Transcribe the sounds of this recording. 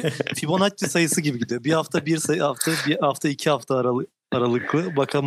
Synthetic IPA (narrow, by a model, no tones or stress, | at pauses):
fibo̞nat̪̚ːisajɯsɯɟibiɟid̪ijobihaft̪ʰabiɾsaaft̪ʰabihaft̪ʰaicʰihaft̪ʰaɾa | aɾalˠɯklˠɯbakʰam